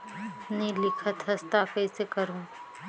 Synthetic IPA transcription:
nĩlɪkʰət̪ɦɐst̪akɛːsekɐɾũː

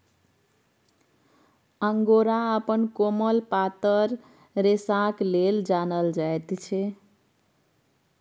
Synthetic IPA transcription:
əŋɡoɾaəpənkoməlpat̪əɾ | ɾesãkleld͡ʒanəld͡ʒaet̪t͡ʃʰe

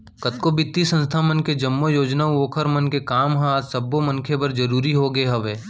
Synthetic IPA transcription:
kɐt̪kobɪt̪ːisə̃nst̪ʰamənked͡ʒɐmːojoːd͡ʒnauoːkʰəɾmɐnkekaːmɦãt̪sɐbːomɐ̃nkʰepɐɾd͡ʒɐɾuːɾiɦoɡeɦɐʋeː

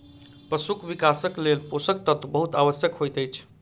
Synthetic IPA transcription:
pɾəsukʋikasəklelposək̚t̪ət̪əbəɦut̪aʋəsjəkɦojt̪əjt͡ʃʰ

